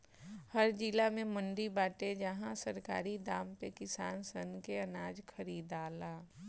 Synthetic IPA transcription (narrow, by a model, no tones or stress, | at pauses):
həɾd͡ʒilamẽmʊ̃ɳɖibaːʈed͡ʒɐɦãsəɾka̰ːɾid̪aːmpekɪsaːnsənkeɐnaːd͡ʒkʰəɾiːd̪aːlaː